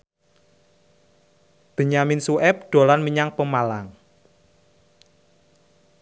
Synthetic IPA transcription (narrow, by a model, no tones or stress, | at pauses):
b̥ə̤ɲaminsuʔɛp̚ɖ̥o̤lanmiɲaŋpəmalaŋ